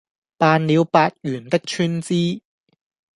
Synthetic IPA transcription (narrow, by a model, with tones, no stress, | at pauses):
paː˨˧nliː˨˧wpaː˧t̚jyː˨˩nt̪ɪ˥k̚t͡ʃʰyː˥nt͡siː˥